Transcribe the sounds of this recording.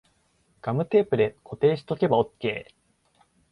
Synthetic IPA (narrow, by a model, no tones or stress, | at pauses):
ɡ̥amɯ̟t̪e̞ːpɯ̟d̪ekʰo̞t̪e̞ːɕi̥t̪o̞ke̞bao̞kːe̞ː